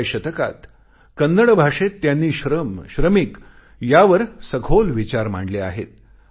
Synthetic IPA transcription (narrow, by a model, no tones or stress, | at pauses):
ɕət̪əka̰t̪ | kənːəɽbʱaʂet̪ːjanːiːɕɾəmɕɾəmik | jaʋəɾsəɡʱolʋit͡ɕaɾm̤a̰ɳɖlea̰ɦet̪̚